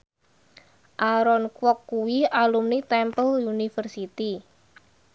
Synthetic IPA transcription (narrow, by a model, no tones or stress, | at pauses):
ʔaɾɔnkwɔkːuwialumnit̪ɛmpəljunifərsit̪i